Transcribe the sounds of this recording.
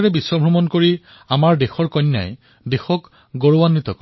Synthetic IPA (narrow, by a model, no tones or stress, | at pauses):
ɹɛbisːɔbʱɹɔmɔnkoɹi | amaɹdexɔɹkɔnːa̰j | dexɔk | ɡoɹowanːit̪ɔk